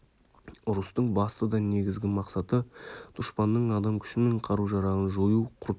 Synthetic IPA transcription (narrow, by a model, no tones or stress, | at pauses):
ʊɾʊst̪əɴbɑst̪əd̪ɑne̞ɡʲɪzɡʲɪmɑqsɑt̪əd̪̥ʊʃpɑnːəɴɑd̪ɑmkʲʰʏ̥ʃɪme̞ɴqʰɑɾuʒɑɾɑʁənʒojuqʰʊɾt̪